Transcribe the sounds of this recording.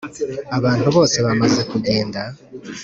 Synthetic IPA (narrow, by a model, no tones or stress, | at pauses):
aβaːntuβo̞ːse̞βamaze̞kuɟe̞ːnda